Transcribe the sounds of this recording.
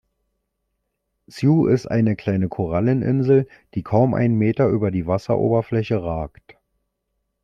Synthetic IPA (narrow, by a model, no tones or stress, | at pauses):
t͡sjuːʔɪstʔa̰ɪnəkʰl̥aɪnəkʰoʁalənʔɪ̰nzl̩d̥iːkʰaʊmʔa̰ɪnmeːtɐʔyːbɐdiːvasɐ̰ʔo̰ːbɐflɛçəʁaːkt